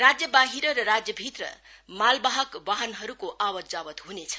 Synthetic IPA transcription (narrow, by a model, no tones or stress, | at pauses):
rad͡zjʌbaɦiɾʌɾʌɾad͡zjʌbʱit̪rʌ̰ | malbaɦʌkbaɦʌnɦʌɾukoʔawʌzawʌt̪ɦunet͡sʰʌ̥